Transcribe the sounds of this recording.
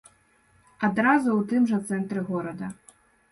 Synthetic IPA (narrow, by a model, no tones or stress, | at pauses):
ɐd̪ɾazʊwt̪ɪmʐɐt̪sɛnt̪ɾɨɣɔɾɐd̪ɐ